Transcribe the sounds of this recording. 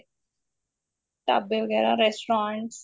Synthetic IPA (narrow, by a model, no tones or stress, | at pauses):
ʈa̰beʋəɡɛːɾaɾɛsʈɾãːɳʈs